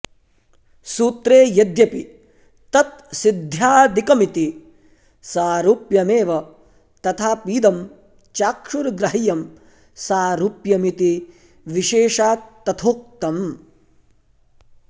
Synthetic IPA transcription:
suːt̪ɾeːjɐd̪jɐpi | t̪ɐt̪̚sid̪ʱjaːd̪ikɐmit̪i | saːɾuːpjɐmeːʋɐ | t̪ɐt̪ʰaːpiːd̪ɐm | t͡ʃaːkʂuɾɡɾɐɦijɐm | saːɾuːpjɐmit̪i | ʋiʃeːʃaːt̪ːɐt̪ʰoːk̚t̪ɐm

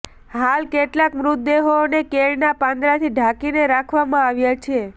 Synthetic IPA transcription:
ɦalkeʈlakmɾʊt̪̚d̪eɦonekeɭnapãnd̪ɾat̪ʰiɖʱakineɾakʰʋamãaʋjat͡ʃʰe

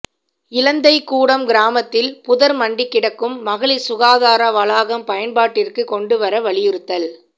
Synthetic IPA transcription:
ɪlɐnd̪ɐɪkːuːɽɐmɡɪɾaːmɐt̪ːɪlpʊðɐɾmɐɳɖɪkːɪɽɐkːɯmːɐɣɐɭisʊɣaːðaːɾɐʋɐlaːɣɐmpɐjɐnbaːʈːɪrkɯkɔɳɖɯʋɐɾɐʋɐɭɪjɪɾɯt̪ːɐl

